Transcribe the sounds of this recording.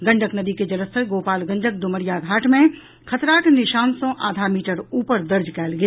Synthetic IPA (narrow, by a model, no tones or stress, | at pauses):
ɡə̃ɳɖəknəd̪iked͡ʒələst̪ʰəɡoːpaːlɡə̃nɖək̚d̪ʊməɾjaɡʱaːʈʰmẽ | kʰət̪ɾaːʈnɪʃaːnsõʔa̰ːd̪ʱamiːʈəɾuːpəɾd̪əɾd͡ʒkɛːlɡəja